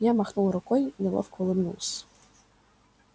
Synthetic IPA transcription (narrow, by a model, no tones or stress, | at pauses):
jamaxnulˠɾʊkɔjnɛlˠɔ̰fkɔlˠɪmnṵlˠsʲ